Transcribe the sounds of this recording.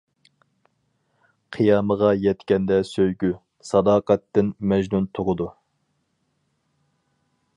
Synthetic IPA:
qʰijɑːməʁɑjɛt̪kʲɛnd̪ɛsøjɡʲy | sɑd̪ɑːqɑt̪ːɪnmɛʒnunt̪ʰoʁʊd̪u

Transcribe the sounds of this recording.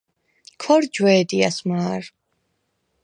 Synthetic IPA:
kʰɔɾd͡ʒwɛːd̪ia̰smaːɾ

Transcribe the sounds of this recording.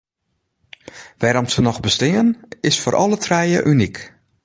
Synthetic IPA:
ʋɛɾɔmsənɔxbəstɪənɪsfoɾʔɔlətʰrɛjəʔynik

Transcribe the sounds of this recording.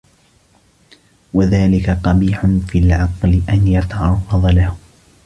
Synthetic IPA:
waðaːlɪkaqɑbiːħʊnfilʕɑqlɪʔanjat̪aʕɑrˤːɑðˤɑlah

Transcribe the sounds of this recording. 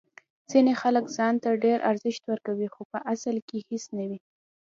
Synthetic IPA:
z̥inexaləkzɑnt̪aɖeɾʔa̰ɾzɪʃt̪wəɾkawixopəʔasəlkehisnawi

